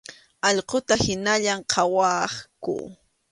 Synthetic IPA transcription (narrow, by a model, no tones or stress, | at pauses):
ɑʎqot̪ahɪnaʎamqʰɑwɑχkʊ̰